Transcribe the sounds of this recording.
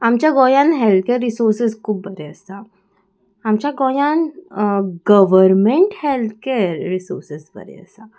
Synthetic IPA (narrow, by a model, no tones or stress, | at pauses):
amt͡ɕjaɡojãnɦelt̪̚keɾːisoɾsəskʰuːbbəɾeəst̪a | amt͡ɕjaɡojan | ɡəʋəɾmeɳʈhelt̪ʰkeɾɾisoɾsəsbə̰ɾḛə̰st̪a